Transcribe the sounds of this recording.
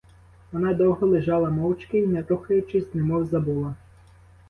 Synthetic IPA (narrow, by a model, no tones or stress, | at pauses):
ʋɔnɑd̪ɔwɦɔlˠɪʒɑlˠɐmɔwt͡ʃkɪinɛt̪ɔxɐjʊt͡ʃɪzʲnɪmɔwzɐbulˠɐ